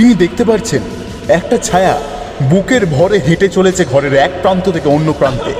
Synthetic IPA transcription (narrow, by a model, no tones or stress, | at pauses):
t̪inid̪ek̚ʰt̪epaɾt͡ɕʰen | ɛk̚ʈat͡ɕʰaea | bukeɾbʱɔɾeɦeʈet͡ɕolet͡ɕʰeɡʱɔɾeɾɛk̚pɾant̪ot̪ʰekeonːopɾant̪ḛ